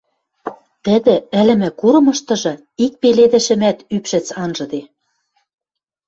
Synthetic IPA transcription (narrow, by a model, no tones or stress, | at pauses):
t̪ɘ̆d̪ɘ̆ɘ̆lɘ̆mɘ̆kuɾɤ̆mɤ̆ʃt̪ɤ̆ʒɤ̆ | ik̚peled̪ɘ̆ʃɘ̆mæt̪ypʃɘ̆t͡sɑnʒɤ̆d̪e